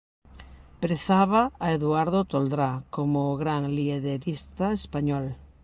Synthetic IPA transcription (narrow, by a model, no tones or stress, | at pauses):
pɾeθaβaːeðuaɾðot̪old̪ɾakomoɣɾaŋlieðeðist̪aespaɲɔl